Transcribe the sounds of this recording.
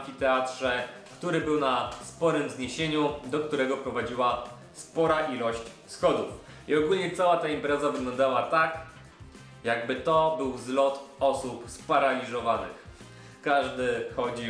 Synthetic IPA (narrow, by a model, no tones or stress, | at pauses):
kʲit̪ɛat̪ʂɛ | kt̪uɾɘbɘwnaspɔɾɘmzɲeɕeɲud̪ɔkt̪uɾɛɡɔpɾɔvad͡ʑiwa | spɔɾaʔilɔɕt͡ɕ | sxɔd̪uf | iɔɡulɲɛt̪sawat̪aimpɾɛzavɘɡlɔ̃nd̪awat̪ak | jaɡbɘt̪ɔbɘwzlɔt̪ɔsupspaɾalʲiʐɔvanɘ̰x | kaʐd̪ɘxɔd͡ʑi